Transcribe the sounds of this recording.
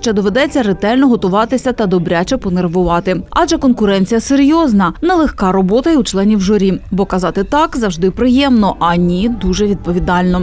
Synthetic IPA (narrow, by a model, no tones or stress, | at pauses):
ʃt͡ʃɛd̪ɔʋed̪ɛt͡sʲːɐɾet̪ɛlʲnɔɦɔt̪ʊʋɑt̪ɪsʲɐt̪ɐd̪ɔbɾʲat͡ʃɛpɔnerʋʊʋɑt̪ɪɑd͡ʒɛkɔnkʊɾɛnʲt͡sʲijɐseɾʲjɔznɐnɛlˠexkɑɾɔbɔt̪ɐjiut͡ʃlˠɛnʲiwʒɔɾʲibɔkɐzɑt̪ɪt̪ɑkzɐwʐd̪ɪpɾɪjɛmnɔʔɐnʲid̪uʒɛʋʲid̪̚pɔʋʲid̪ɑlʲnɔ